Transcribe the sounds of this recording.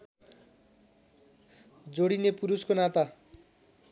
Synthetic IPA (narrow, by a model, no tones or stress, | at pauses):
d͡zoɽinepuɾuskonat̪a